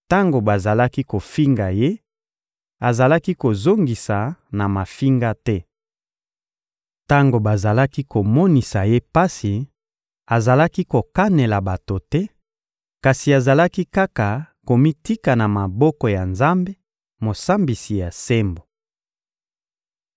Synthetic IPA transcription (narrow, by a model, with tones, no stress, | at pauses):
ta˦ŋɡo˨ba˨za˨la˦ki˦ko˨fi˦ŋɡa˨je˦ | a˨za˨la˦ki˦ko˨zo˦ŋɡi˨sa˨na˨ma˨fi˦ŋɡa˦tɛ˦ | ta˦ŋɡo˨ba˨za˨la˦ki˦ko˨mɔ˦ni˨sa˨je˦pa˦si˨ | a˨za˨la˦ki˦ko˨ka˦ne˨la˨ba˨to˨tɛ˦ | ka˨si˨a˨za˨la˦ki˦ka˦ka˨ | ko˨mi˦ti˦ka˨na˨ma˨bɔ˦kɔ˨ja˨nza˦mbe˦ | mo˨sa˦mbi˨si˨ja˨se˦mbo˨